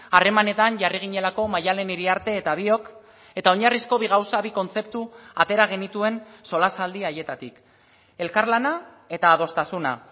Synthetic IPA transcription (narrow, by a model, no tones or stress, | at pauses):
are̞mane̞t̪anʝariɣ̞iɲe̞lako̞majale̞niɾiaɾt̪e̞ːt̪aβ̞io̞k | e̞t̪ao̞ɲarisko̞βiɣ̞awsaβiko̞nt͡se̞pt̪uat̪e̞ɾaɣ̞e̞nit̪ue̞nso̞lasald̪iaje̞t̪at̪ik | e̞lkaɾlana | e̞t̪aːð̞o̞st̪asuna̰